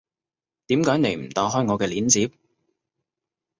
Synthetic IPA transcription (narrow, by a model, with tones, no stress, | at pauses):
t̪iː˨˥mkaː˨˥jne˨˧jm̩˨˩t̪aː˨˧ɦɔː˥jŋɔː˨˧kɛː˧liː˨˥nt͡siː˨˥p̚